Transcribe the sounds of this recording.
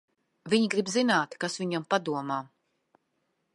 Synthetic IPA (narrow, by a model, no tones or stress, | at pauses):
vʲiɲiɡɾibzinaːt̪kasviɲampad̪uɔmaː